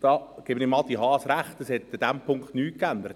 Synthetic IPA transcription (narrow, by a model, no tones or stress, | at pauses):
d̥ɑːɡ̥eːbənɪmɑlt̪iɦɑːsɾæχtəshɛt̪əd̥æmpʰʊŋkχtnyːt̚kænd̪əɾət